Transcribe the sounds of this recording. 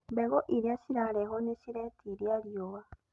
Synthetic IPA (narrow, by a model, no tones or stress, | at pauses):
beɣoʔiɾiaʃiɾaɾeɦoneɕiɾetʰiɾjaɾjoβa